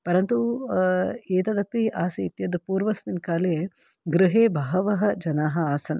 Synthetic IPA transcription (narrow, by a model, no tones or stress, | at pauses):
pɐɾɐnt̪u | eːt̪ɐd̪ɐpːiaːsiit̪jɐd̪puːɾʋɐsminkaːlee | ɡɾɪɦeːbʱɐːɐʋɐɦɐd͡ʒɐnaːɦɐaːsɐnɐ